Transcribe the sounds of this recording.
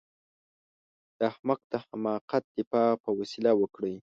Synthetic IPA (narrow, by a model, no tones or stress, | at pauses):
d̪̥əahmak̚d̪əhamɑqat̪̚d̪̥ɪfɑpəwasilawəkɽij